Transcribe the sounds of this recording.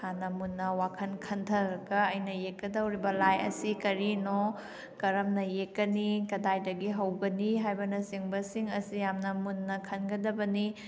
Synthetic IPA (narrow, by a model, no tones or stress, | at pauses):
hanɐmunːɐwakʰɐnkʰɐntʰɐɾɐɡɐɐjnɐjek̚ːɐdɐwɾibɐlajɐ̰sikɐɾino | kɐɾɐmnɐjekːɐnikɐdajdɐɡiɦɐwɡɐniɦajbɐnɐsiŋbɐsiŋɐsijamnɐmunːɐkʰɐnɡɐdɐbɐni